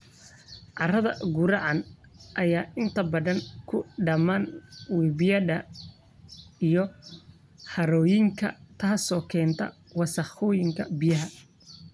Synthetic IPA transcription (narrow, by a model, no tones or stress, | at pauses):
ʕɑrɐðɐ̰ɡʊɾɑʕɑn | ʔɐjaːʔɪnt̪ʰɐbɐðɐŋkʰʊɖɐmaːnwiːbɪjɐðɐ | ijɔ | ħɐɾɔːjɪŋkʰɐ̰t̪ʰaːsɔːkʰɛːnt̪ʰɐ̰ | wɑsɐχɔːjɪŋkʰɐ̰bɪjɐɦɐ